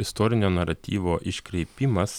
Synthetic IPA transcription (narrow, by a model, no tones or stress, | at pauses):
ɪst̪ɔɾʲɪnʲoːnɐɾɐt̪ʲḭːʋoːʔɪʃʲkɾʲɛɪpʲimɐs